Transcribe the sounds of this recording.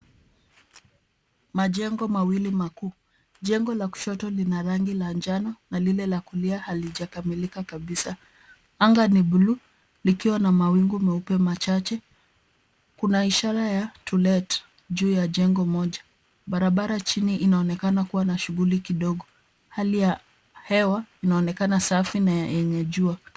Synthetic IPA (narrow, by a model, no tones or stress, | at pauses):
maʄɛŋɡɔmawilimakuː | ʄɛŋɡɔlaku̥ʃɔtɔlinaɾaŋɡiland͡ʒananalilɛlakuliahaliʄakamilikakaɓisa | aŋɡaniɓulu | likiwanamawiŋɡumɛupɛmat͡ʃat͡ʃɛ | kunaiʃaɾajatʰulɛt | ʄuːjaʄɛŋɡɔmɔʄa | ɓaɾaɓaɾat͡ʃiniʔinaɔnɛkanakuwanaʃuɣulikiɗɔɡɔ | halija | hɛwainaɔnɛkanasafinajajɛɲɛʄua